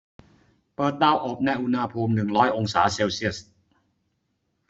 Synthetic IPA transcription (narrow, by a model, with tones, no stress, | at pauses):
pɤː˨˩t̪̚ɗaː˧wʔo˨˩p̚na˧jʔu˧nha˧pʰuː˧mnɯ˨˩ŋɾɔː˦˥jʔo˧ŋsaː˩˦˥seː˧wsi˦˥˩əs